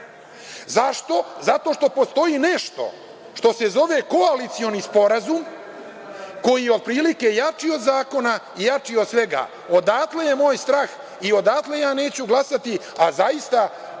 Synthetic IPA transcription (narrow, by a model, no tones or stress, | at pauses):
zaʃt̪o̞zat̪o̞ʂt̪o̞post̪o̞ine̞ʃt̪o̞̰ | ʃt̪o̞se̞zo̞ʋe̞koalit̪sio̞nispo̞ɾazum | ko̞jijeo̞d̪̚pɾiːlike̞jat͡ʂio̞d̪zaːko̞na | ijat͡ʂiod̪sʋe̞ɡa̰ː | o̞d̪aːt̪le̞jemo̞ːjst̪ɾaːx | io̞d̪aːt̪le̞jaːne̞ːt͡ɕuɡlˠasat̪i | azajist̪a